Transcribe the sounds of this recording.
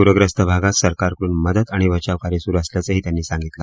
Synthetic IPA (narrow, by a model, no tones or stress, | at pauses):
puɾəɡɾəst̪əbʱaɡat̪səɾkaɾkəɽuːnməd̪ət̪aɽ̃iʋət͡ɕaʋkaɾisuɾəsljat͡səɦiːt̪janːiːsãŋɡit̪la